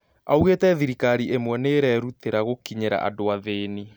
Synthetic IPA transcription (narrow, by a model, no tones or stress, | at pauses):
auɣetɛðiɾikaɾiʔemwɛneɾɛɾuteɾaɣokiɲeɾa̰ʔa̰doaðeni